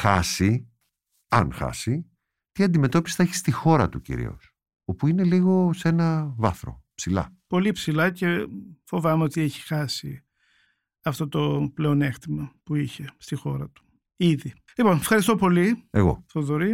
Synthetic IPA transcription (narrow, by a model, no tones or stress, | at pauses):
xɐ̰si | ɐ̰nxɐ̰si | t̪iɐnd̪ime̞t̪o̞pist̪ɐeçi̥st̪ixo̞ɾɐt̪ucḭɾḭo̞̰s | o̞puine̞liɣo̞se̞nɐvɐθɾo̞̰psilɐ̰po̞lipsilɐce̞fo̞vɐmeo̞t̪ieçi̥xɐsi | ɐft̪o̞t̪o̞ple̞o̞next̪imɐpuiçe̞st̪ixo̞ɾɐt̪u̥ | iði | lipo̞nfxɐɾist̪opo̞lie̞ɣo̞̰θoðoɾi